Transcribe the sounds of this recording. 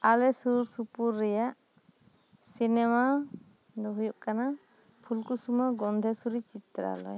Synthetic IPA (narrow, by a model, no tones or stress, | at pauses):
alɛsuɾsupuɾːɛjaʔ | sinɛma | d̪ɔɦujuʔkana | pʰulkusumaɡɔnd̪ʱɛsuɾit͡ʃit̪ɾa̰lɔ̰j